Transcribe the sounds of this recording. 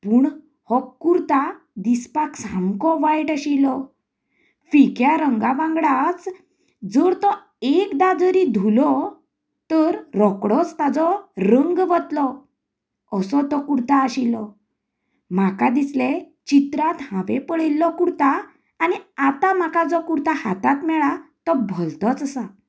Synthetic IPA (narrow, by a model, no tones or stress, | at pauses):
puːɳ | hɔkːuɾt̪a | d̪ispaksãmkɔʋajʈəɕilɔ | fikjaɾəŋɡaʋãŋɡɽat͡s | d͡zəɾt̪ɔ | ekd̪ad͡zəɾid̪ʱulɔ | t̪əɾɾɔkɽɔt͡st̪ad͡zɔɾəŋɡʋət̪lɔ | əsɔt̪ɔkuɾt̪aːɕilɔ | m̤akad̪isle | t͡ɕit̪ɾat̪hãʋepəɭilːɔkuɾt̪aː | niat̪am̤akad͡zɔkuɾt̪ahat̪at̪mɛɭat̪ɔbʱəlt̪ɔt͡səsa